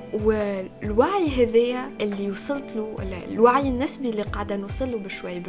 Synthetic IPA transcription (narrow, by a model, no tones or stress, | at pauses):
wlwaʕjɦɛðɪjːæʔɪlːijusˤɨlt̪ˤlulwaʕjɪnːɪsbilːiqɑʕd̪ænusˤɨlːubɪʃwajːb